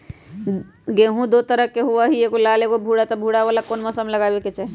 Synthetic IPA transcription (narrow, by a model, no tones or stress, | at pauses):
ɡẽːɦũd̪ot̪əɾəkːeɦuʋaɦiekolaleɡobʱuɽat̪ɔbʱuɽaʋalakoːnmɔsəmləɡaːbeket͡ʃae